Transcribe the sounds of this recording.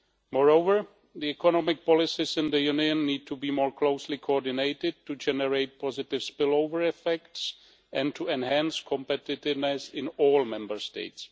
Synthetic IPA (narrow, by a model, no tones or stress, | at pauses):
mɔɹowvəɹ | d̪iɛkɔnɔmɪk̚pɔlɪsɪsɪ̃nd̪əjuniə̃nːiːd̚tʰubiːmoːɹklowslɪkʰoɔdɪnejtɪd̚tud͡ʒɛnɛɹejt̚pʰɔzɪtɪfspɪlowvəɹɛfɛkts | ʔɛ̃ntʰuɛ̃nɦɛ̃nskʰɔ̃mpɛtɪtɪvnɛsɪ̃nɔːlmɛ̃mbəɹstḛjts